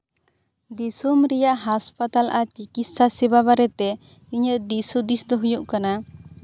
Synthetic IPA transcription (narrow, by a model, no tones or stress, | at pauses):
d̪isumɾɛjaʔɦaspat̪alʔat͡ʃikit̪̚sasɛbaβaɾɛt̪ɛ | iɲəʔd̪isud̪isd̪ɔɦɔjɔʔkana